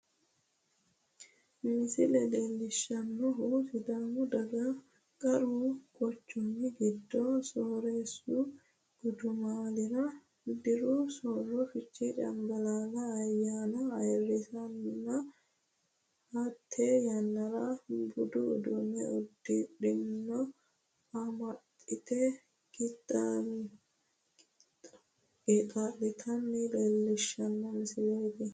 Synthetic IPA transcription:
miːsɪlɛd̪eːlːɪʃːɐnːɔɦuːsɪd̪aːmʊd̪ɐɡɐ | kʼɐɾuːɡɔt͡ʃːʊnːɪɡɪd̪ːɔsɔːɾeːsu | ɔd̪ʊmaːlɪɾɐ | d̪ɪɾusɔrːɔfɪt͡ʃʼːiɗɐ̰mɡɐlaːɡɐːjːaːnɐɐjrːɪt̪ɐnnɐ | hɐt̪ʰːejɐnːɐɾɐbʊd̪ʊ̰ːd̪ʊmɛɔd̪ːɪᶑɪnːɔ | ɐmɐt̪ʼːɪt̪ɛ | ɡɪt̪ʼːɐ | et̪ʼalːɪt̪ʰɐnːɛleːlːɛʃːɐnːɐnɪsɪlejt̪ɛ

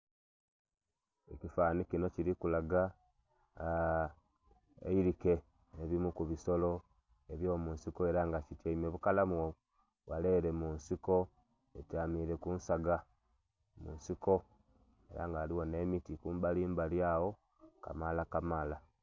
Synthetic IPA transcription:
ecifaːnikino̞ciɾikulaɡa | ḛiɾike̞ | eβimukuβiso̞lo̞ | eβjo̞ːmuːnsiko̞e̞ɾaŋɡacitjeimeβukalamuwo | wale̞ːɾe̞munsiko̞ | etaːmiɾe̞kunsaɡa | mṵːnsiko̞ | eɾa̰ŋɡaːliwo̞ne̞mitikuːmbaliːmbaljawo̞ | ka̰malakamala

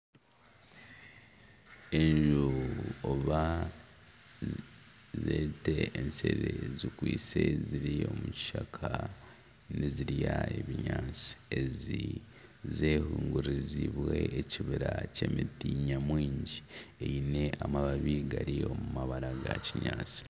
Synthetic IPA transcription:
eɲʒuoβa | zeːteːnseɾezikwiːseziɾio̞muci̥ʃakʰa | niziɾjaeβiɲaːt͡si̥ezi | zehuːŋɡuɾiziβwe̞eciβiɾace̞mitiɲamwiːɲɟieine̞amaβaβiɡaɾio̞mumaβaɾaɡaciɲaːt͡si̥

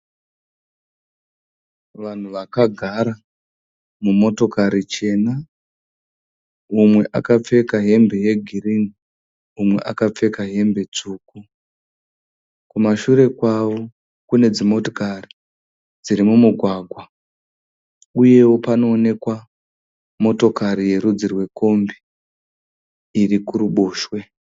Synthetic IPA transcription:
ʋan̤uʋakaɡʱaɾa | mumo̞to̞kaɾit͡ʃe̞na | umwe̞ʔakap͡fe̞kaɦe̞mbe̞je̞ɡʱirini | umwe̞̰ʔakap͡fe̞kaɦe̞mbe̞t͡suːku | kumaʃuɾe̞kwaʋo̞ | kune̞d͡zimo̞to̥kari | d͡ziɾimumuɡʱwaːɡʱwa | uje̞wo̞pano̞ːne̞kwa | mo̞to̞kaɾije̞ɾud͡zirwe̞ko̞mbi | irikuɾuɓo̞ːʃwe̞

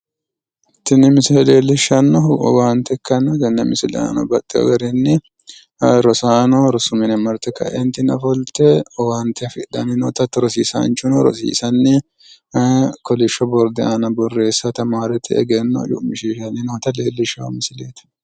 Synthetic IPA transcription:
t̪ːɪnːɪmɪsɪlɛle̞ːlːɪʃːɐnːɔ̰waːnt̪ɛkːɐnːɔd̪ɛnːɛmɪsɪlɛ̰a̰ːnɔ̰bɐt̪ʼːɪɐ̰ɡɐɾɛnːɪ | ɾɔsaːnɔɾɔsʊmɪnɛmɐɾt̪ɛkːɐ̰ʔɛnt̪ɪnɐfɔlt̪ɛɔwaːnt̪ʰɛfɪʔd̪ɐnɪnɔːt̪ɐt̪ːɔɾɔsiːsa̰ːnt͡ʃʊnɔɾɔ̰sḭːsɐnːɪ | kɔlɪʃːɔbɔɾd̪ɛɐnɐbɔrːe̞ːsːɐt̪ɐmaːɾɛt̪ʰɛ̰ɛ̰ɡɛnːɔ̰jʊ̰ʔmɪʃiːʃɐnɪnot̪ɐleːlːɪʃɐwɐ̰mɪsɪleːt̪ɐ̥

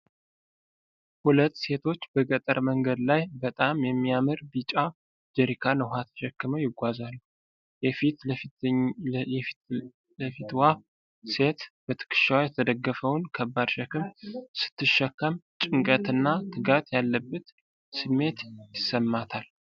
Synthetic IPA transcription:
hulət̪ːse̞t̪ʰo̞t͡ʃːbəɡət̪ʼəɾməŋɡəd̪lajbət̪ʼamjɛmːijamɨɾbit͡ʃʼa | d͡ʒəɾikʰanəwɦat̪ʰə̥ʃɛkːɨməwjɪɡʷazalːu | jɛfit̪ | ləfit̪wa | se̞t̪b̥ət̪ʰɨ̥kʰɨ̥ʃawjɛt̪ʰəd̪əɡːəfəwnkʰəbːad̪ʃɛkɨmsɨ̥t̪ːɨʃːɛkːəmt͡ʃʼɨŋkʼət̪ɨnːat̪ʰɨɡat̪jalːəbːət̪ | sɨmːe̞t̪jɪsːəmːat̪ʰal

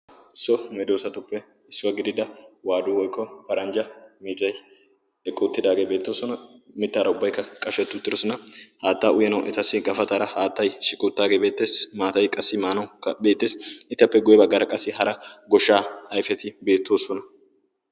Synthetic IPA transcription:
ɪsːɔmɛd̪o̞ːsɐt̪ʊpːɛ | ɪsːɪwɐɡɪd̪ɪd̪ɐwaːd̪uwɔjkʰʼːɔpɐɾɐnd͡ʒɐmizɐj | ɛkʼːuːt̪ːɪd̪aːɡeːbe̞ːt̪ːo̞ːsɔnɐmɪt̪ːaːɾɐʊbːɐjkːɐkʼɐʃɛt̪ːʊt̪ːɪɾɔsɔnɐhaːt̪ːaːʔʊjɛnɐwʔɛ̰t̪ɐsːɪɡɐfɐt̪ʼaːɾɐhaːt̪ːɐjʃɪkʼut̪ːaːɡe̞ːbe̞ːt̪ːe̞ːsmaːt̪ɐjkʼɐsːɪmaːnɐwkːɐbe̞ːt̪ːe̞ːsɪt̪ːɐpːɛɡʊjɛbɐɡːɐɾɐkʼɐsːɪɦɐɾɐɡɔʃːaːhɐjfɛt̪ɪbe̞ːt̪ːo̞ːsɔnɐ

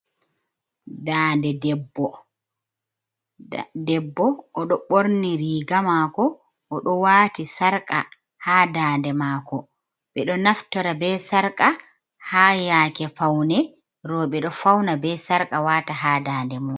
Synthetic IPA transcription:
daːndɛdɛbːɔ | dɛbːɔːɗɔɓoɾniɾiːɡamaːkɔ | ʔːɗɔwaːtisaɾkʼa̰ | haːdaːndɛmaːkɔ | ɓɛɗɔnaftɔɾabɛsaɾkʼa | haːjaːkɛfawnɛ | ɾɔɓɛɗɔfawnabɛsaɾkʼawataɦaːdaːndɛmɔ

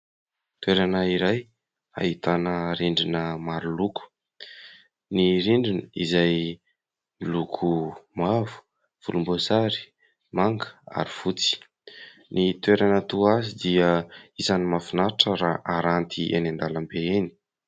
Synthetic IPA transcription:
t̪weɾanəiɾaj | a̰it̪anəɾeɳɖ͡ʐinəmaɾuluku̥ | niɾiɳɖ͡ʐinəizaj | lukʰumavu̥ | v̥ulumbosaɾi̥ | maŋɡə̥a̰ɾifut͡si̥ | nit̪weɾanət̪uazid̪iəizanimafinaʈ͡ʂəɾaʔaɾant̪ʰiʔḛnand̪aləmbeeni̥

